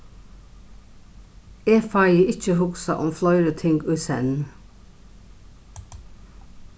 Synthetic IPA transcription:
eːfɑɪəʔɪt͡ʃəhʊɡsɑ̰ʔɔmflœʏɾət̪ʰɪŋɡʉːsɛ̰n

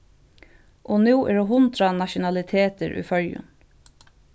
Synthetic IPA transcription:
ʔoːnuːʔɛ̰ɹoːɦʊnd̪ɾɑnɑʃʊnɑlɪt̪ʰeːt̪əɾʔʉ̰ːfœljʉ̰n

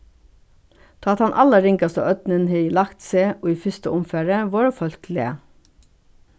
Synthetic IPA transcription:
t̪ʰɑːɑt̪hɑnʔɑləɾɪŋkɑst̪ə̰ʔœt̪nənheːiːlɑkt̪seːʔoːiːfʏst̪əʊmfæːɹəʋɑːɾoːfœltlḛ

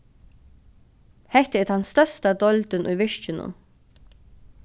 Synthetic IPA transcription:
hɛt̪ɛt̪hɑnst̪œst̪ɑd̪ɔld̪ənʔy̰ːʋɪʃt͡ʃənʊ̰m

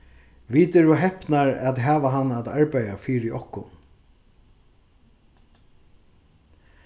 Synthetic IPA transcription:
ʋiːt̪ɛɾɔɦɛhpnaɹat̪ɦæːʋaɦanːat̪aɹpajafiːɾɪʔɔhkʊ̰n

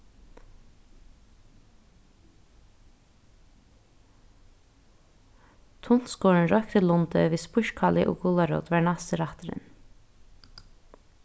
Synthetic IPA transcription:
t̪ʰʊnskoːɹəɳ̩ɾœkt̪əlʊnd̪ə̰ʋiːspʉʃkʰɑlɪ̰ʔo̰ːɡʊlɑɾo̰ːt̪ʋæːɳɑst̪əɾɑt̪əɾə̰n

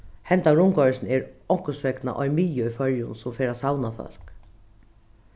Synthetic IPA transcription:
hɛnt̪aɾʊŋkɔɹɪsnɛɾɔŋ̥kʊsʋɛkna̰ʔɔjmiːjəufœɹjʊnsʊmfeːɾasawnafœ̰l̥k

